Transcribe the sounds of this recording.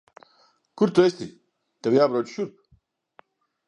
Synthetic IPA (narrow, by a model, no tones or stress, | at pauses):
kuɾt̪oest̪i | t̪ɐwjaːbɾoːd͡ʑɕuɾp̚